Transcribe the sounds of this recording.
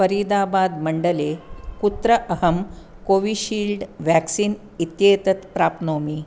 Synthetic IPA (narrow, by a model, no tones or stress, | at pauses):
fəɾid̪abad̪məɳɖəlekut̪ɾəʔəɦəm | koʋiɕiːlɖʋæksiːn | it̪jet̪ət̪pɾapnoːmiː